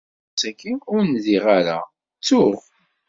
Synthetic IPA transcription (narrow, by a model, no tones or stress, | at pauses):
sækːiʊɾnziʁaɾa̰ | t͡sːʊʁ